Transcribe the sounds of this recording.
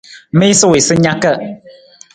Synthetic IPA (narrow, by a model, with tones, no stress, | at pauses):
me˦i˦sə˦˨we˨sɨ˦ɲa˦kə˦˨